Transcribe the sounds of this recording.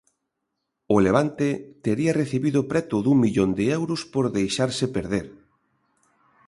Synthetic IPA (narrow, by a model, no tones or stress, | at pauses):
ʊleβ̞ant̪et̪eɾiɐreθiβiðʊpɾɛt̪ʊðuŋmiʎond̪eɛwɾʊspoɾðejʃaɾsɪpeɾð̞eɾ